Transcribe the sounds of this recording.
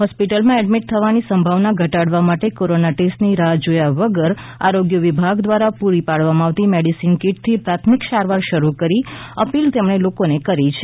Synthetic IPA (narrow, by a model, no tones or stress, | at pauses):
ɦɔspiʈəlmãɛɖmiʈ̚t̪ʰəʋanisəmbʱaʋnaɡʱəʈaɽʋamaʈekoɾonaʈesʈniɾad͡ʒojaʋəɡəɾ | a̰ɾoɡjəʋibʱaɡd̪ʋaɾapuɾipaɽʋamãaʋt̪imeɽisinkiʈ̚t̪ʰipɾat̪ʰmikʃaɾʋaɾʃəɾukəɾiəpilt̪emɳelokonekəɾit͡ʃʰe